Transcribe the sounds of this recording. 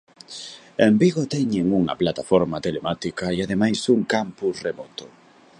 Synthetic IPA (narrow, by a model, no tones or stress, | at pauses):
embiɣot̪ɛɲeŋuŋa̰plat̪afoɾmat̪elemat̪ikaiaðemajsuŋkampusremɔt̪o